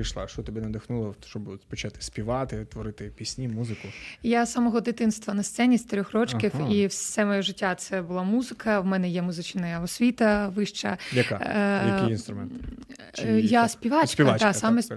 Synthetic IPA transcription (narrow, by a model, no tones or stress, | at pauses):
ijʃlˠa̰ʃt͡ʃɔt̪ɔbʲinɐd̪ɪxnulˠɔʃt͡ʃɔbpɔt͡ʃat̪ɪ̥sʲpʲiʋɑt̪ɪt̪ʋɔɾɪt̪ɪpʲisʲnʲimuzɪkʊjasɐmɔɦɔd̪ɪt̪ɪnst̪ʋɐnɐst̪sɛnʲist̪ɐɾʲɔxrɔt͡ʃkʲifiwssɛmɔjɔʒɪtʲːat̪sɛbʊlˠamuzɪkɐwmɛnɛjɛmʊzɪt͡ʃnɐjɐɔsʲʋʲit̪ɐʋɪʃt͡ʃɐjɐkajɐinst̪ɾʊmɛn | jasʲpʲiʋɑst͡ʃkpʲiɐʋat͡ʃ̪asamɛ